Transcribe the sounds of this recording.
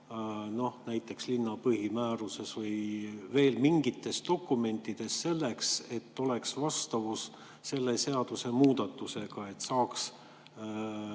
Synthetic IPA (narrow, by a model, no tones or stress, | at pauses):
no̞hnæjt̪ːˑe̞kslinːɑpɯɦimæːɾuse̞svɤjve̞ːlmiŋɡit̪ːˑe̞st̪o̞kːˑume̞nt̪ːˑid̪̥e̞sse̞lːe̞kse̞t̪ːo̞le̞ksvɑst̪ɑvusː | e̞lːe̞se̞ɑd̪̥use̞muːd̪̥ɑt̪ːˑuse̞ɡ̥ɑe̞t̪ːsɑːks